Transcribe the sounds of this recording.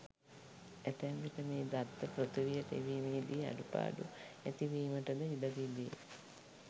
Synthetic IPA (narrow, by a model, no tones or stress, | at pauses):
æt̪ɛŋʋiʈəmeːd̪at̪ːəpɾət̪uʋijəʈəeʋiːmeːd̪iːa̰ɖupa̰ːɖuæt̪iʋiːməʈədəiləʋidḛ